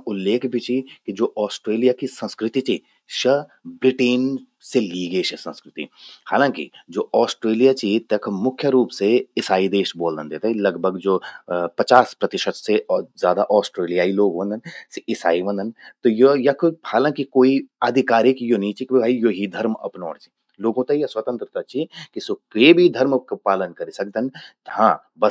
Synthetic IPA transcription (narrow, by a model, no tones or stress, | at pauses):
ʊlːeːkbʱit͡ʃʰikid͡ʒoːʔɔːsʈɾeːlijakisɐ̃nskɾɪt̪it͡ʃiː | ʃɐbɾɪʈeːn | seliːɡəiʃɐsə̃nskɾɪt̪ḭhaːlãːkḭd͡ʒoːɔːsʈɾeːlijat͡ʃit̪ɐkʰmʊkʰjəɾuːpseɪsaːid̪eːʃboːld̪ənd̪eːt̪alɐɡbʱəɡd͡ʒoːpɐt͡ʃaːspɾɐt̪ɪʃət̪sezjaːd̪aʔɔːsʈɾeːlijaːiloːɡʋə̃nd̪ənseʔɪsaːiʋɐ̃nd̪ʱənt̪ojojɐkohaːlãːkikoːiɐd̪ʱɪkaːɾɪkjoniːt͡ʃikbibʱaːijoɦid̪ʱɐɾmɐ̰pnɔːɽt͡ʃi̥ | loːɡõt̪ɐjɐswɐt̪ə̃nt̪ɾət̪ɐt͡ʃikisokebʱid̪ʱɐɾmkpaːlənkɐɾisɐk̚d̪ənt̪hãː | bɐ